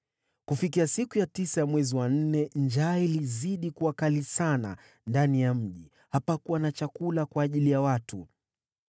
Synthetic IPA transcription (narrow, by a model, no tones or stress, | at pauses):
kufikiasikujatisajamwɛziwan̩nɛnd͡ʒaːiliziɗikuwakalisana̰ | ndanijam̩ʄi | hapakuwanat͡ʃakulakwaːʄilijawatu